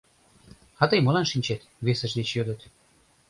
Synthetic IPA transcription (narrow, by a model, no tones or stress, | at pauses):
ɑt̪əjmolɑnʃinʲt͡ɕet̪βesəʃd̪et͡ɕjød̪ət̪